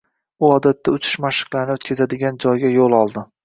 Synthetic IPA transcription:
ʊɒd̪at̪ʰːaʊt͡ʃʰɪ̥ʃmaʃɨ̥qlˠaɾnɪot̪kʲʰazad̪ɪɡʲand͡ʒɒjɡʲajolˠɒlˠd̪ɪ

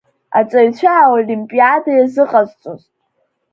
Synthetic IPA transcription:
a̰t͡sʼaɥt͡ɕʷʰaolimpʼiadajazɨqʼazt͡sʷʼoztʼ

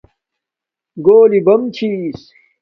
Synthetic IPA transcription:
ɡoːlibɐmt͡ɕʰis

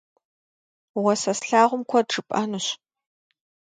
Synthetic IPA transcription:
wɐsɐsɬaːʁʷʊmkʷʰɔʈ͡ʂɨpʼɐnɨɕ

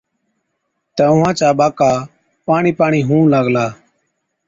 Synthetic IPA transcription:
t̪əʊ̃ɦãːt͡ʃaːbaːkaː | paːɳiːpaːɳiːɦũːləɡlaː

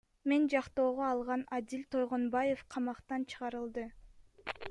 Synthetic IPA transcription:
me̞nd͡ʒɑqt̪o̞ːʁoɑlˠʁɑnɑd̪ilʲt̪ʰo̞jʁonbɑje̞fqʰɑmɑqt̪ɑnt͡ʃʰɯ̥ʁɑɾɯlˠd̪ɯ

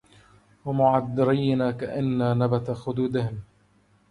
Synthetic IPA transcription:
wamʊʕad̪ːɑɾijnaːkaʔanːaːnabat̪axʊd̪uːd̪ɪhɪm

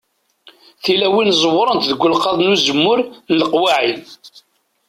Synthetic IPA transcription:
θilæwinzˤəwːɾˤənt̪ðəɡʷːʊlqɑðˤnuzəmːʊɾnələqwaʕin

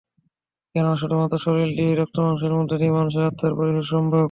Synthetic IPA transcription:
kɛnoaʃɔʈomat̪aʃoɾilɖiɾɔk̚ʈ̪omanuʃeɾmod̪ʱːeʈimanuʃ̬eɾat̪ʰːaɾpoɾikaɾʃɔmbɾo

